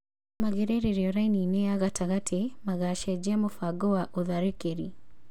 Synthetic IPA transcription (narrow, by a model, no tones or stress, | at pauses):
maɣeɾeɾeɾjɔɾainineaɣataɣatʰemaɣaʃɛd͡ʒɛmofaɡoaʔoðaɾekeɾi